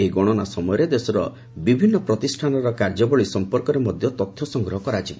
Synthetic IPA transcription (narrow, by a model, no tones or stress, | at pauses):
eiɡɔɽ̃ɔnasɔmɔjɔɾed̪esɔɾɔ̰ | bibʱinːɔpɾɔt̪isʈʰanɔɾɔkaɾd͡ʒɔbɔɭisɔmpɔɾkɔɾemɔd̪ʱjɔt̪ɔt̪ʰːjɔsɔŋɡɾɔɦɔkɔɾat͡ʃʰibɔ